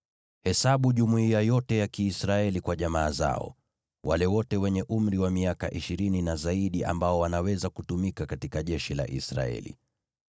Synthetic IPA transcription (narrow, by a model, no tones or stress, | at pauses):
hɛsaɓuʄumuiajɔtɛjakiːsɾaɛlikwaʄamaːza̰ɔ̰ | walɛwɔtɛwɛɲɛʔum̩ɾiwamiaka̰ʔiʃiɾininazaiɗia̰mbaɔwanawɛzakutumikakatikaʄɛʃila̰ʔḭsɾa̰ɛ̰lḭ